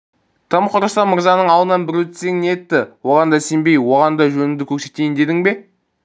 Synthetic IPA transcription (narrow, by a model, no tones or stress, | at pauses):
t̪ʰəmqoɾɑʃt̪ɑməɾzɑnəɴɑlˠənɑnbɪɾɵt̪se̞ŋnet̪ːɪwo̞ʁɑnd̪ɑsembe̞jwo̞ʁɑnd̪ɑʒɵnɪŋd̪ɪkʲʰɵɾse̞t̪e̞jɪnd̪e̞d̪ɪŋbe̞